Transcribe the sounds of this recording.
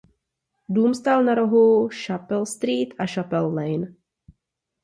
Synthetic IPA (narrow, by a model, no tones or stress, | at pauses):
duːmst̪aːlnaɾoɦuʃapɛlst̪ɾiːt̪ʔaʃapɛlːlɛjn